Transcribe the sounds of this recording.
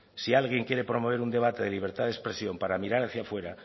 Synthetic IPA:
sialɣje̞ŋkje̞ɾe̞pɾo̞mo̞β̞e̞ɾund̪e̞β̞at̪e̞ðeliβ̞e̞ɾt̪aðespɾe̞sjo̞mpaɾamiɾaɾaθjafwe̞ɾa

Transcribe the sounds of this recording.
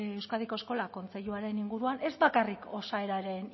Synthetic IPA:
ewskaðiko̞esko̞lako̞nt͡se̞ʎuaɾe̞niŋɡuɾuane̞zbakariko̞sae̞ɾaɾe̞n

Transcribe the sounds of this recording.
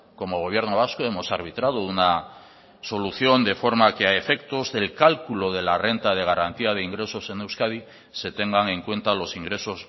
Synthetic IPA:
ko̞moɣ̞o̞β̞je̞ɾnoβ̞askoe̞mo̞saɾβ̞it̪ɾað̞o̞una | so̞luθjo̞nd̪e̞fo̞ɾmakeaefe̞kt̪o̞zðe̞lkalkulo̞ð̞e̞lare̞nt̪að̞e̞ɣaɾant̪iað̞e̞iŋɡɾe̞so̞se̞newskaði | se̞t̪e̞ŋɡaŋe̞ŋkwe̞nt̪alo̞siŋɡɾe̞sos

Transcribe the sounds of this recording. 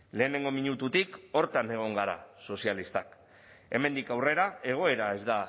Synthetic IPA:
le̞ːne̞ŋɡo̞miɲut̪ut̪iko̞ɾt̪ane̞ɣ̞o̞ŋɡaɾa̰so̞sialist̪ak | e̞me̞nd̪ikawre̞ɾae̞ɣ̞o̞e̞ɾae̞zd̪a

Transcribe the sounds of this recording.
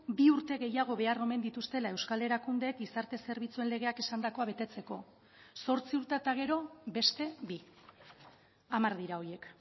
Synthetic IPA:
biuɾt̪e̞ɣe̞jaɣ̞o̞βe̞aro̞me̞nd̪it̪ust̪e̞lae̞wskale̞ɾakund̪e̞kisaɾt̪e̞se̞ɾβit͡sue̞nle̞ɣ̞e̞ake̞sand̪ako̞aβe̞t̪e̞t͡se̞ko̞ | so̞ɾt͡siuɾt̪et̪aɣ̞e̞ɾo̞be̞st̪e̞bi | amaɾðiɾao̞je̞k

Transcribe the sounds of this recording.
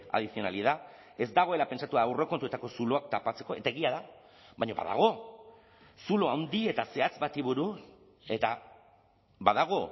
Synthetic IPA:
a̰ðisio̞na̰lið̞a | e̞zd̪aɣ̞o̞e̞lape̞nsat̪uaːwre̞kont̪ue̞t̪ako̞sulo̞ak̚t̪apat͡se̞ko̞e̞̰t̪ae̞ɣiaða | βajɲo̞βa̰ða̰ɣ̞o̞ | sulo̞awnd̪ie̞t̪ase̞at͡sbat̪iβuɾu | e̞t̪a | baðaɣ̞o̞

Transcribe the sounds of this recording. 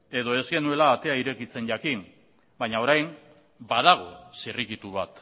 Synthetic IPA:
e̞ðo̞e̞zɡe̞nue̞laːt̪e̞aiɾe̞kit͡se̞nʝakim | bajɲao̞ɾajn | bað̞aɣ̞o̞sirikit̪uβat̪

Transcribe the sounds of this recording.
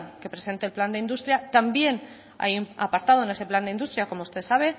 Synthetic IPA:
ke̞pɾe̞se̞nt̪elpland̪eind̪ust̪ɾjat̪ambje̞n | a̰ja̰paɾt̪aðone̞se̞pland̪eind̪ust̪ɾjako̞moust̪e̞ðsaβ̞e̞

